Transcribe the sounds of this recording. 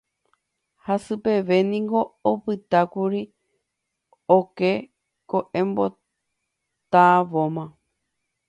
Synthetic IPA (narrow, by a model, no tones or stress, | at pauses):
hasɨpe̞ʋe̞nĩŋɡo̞opɨt̪akuɾi | oke | koʔẽmbo̞ | t̪aʋomã